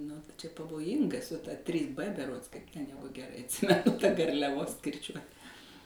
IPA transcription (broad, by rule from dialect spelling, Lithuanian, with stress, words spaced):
nʊ tɐɪ t͡ʃʲɛ pɐʋoːˈjɪŋɡɐ sʊ tɐ tʲrʲiːs p bʲɛˈroːts kɐɪp tʲɛn ˈjæːɡʊ ɡʲɛˈrɐɪ ɐtʲˈsʲɪmʲɛnʊ tɐ ɡɐrʲlʲɛˈʋoːs kʲɪrʲˈt͡ʃʲuɔt